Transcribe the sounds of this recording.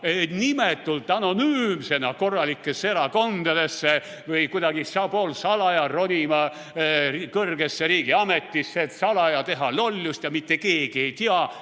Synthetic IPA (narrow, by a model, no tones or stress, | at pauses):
enimet̪ːˑult̪ːˑɑno̞nyːmse̞nɑko̞rːɑlikːˑesːeeɾɑko̞nd̪̥ɑd̪e̞sːe | vɯjkujd̪ɑɡ̥isɑbo̞lsɑlɑjɑro̞nʲimɑ | rkɤrɡ̥esːeɾiːɡiɑme̞t̪ːisːeːt̪sɑlɑjɑt̪e̞ɦɑlo̞lʲːust̪jɑmit̪ːe̞keːɡ̥ie̞jt̪iɑ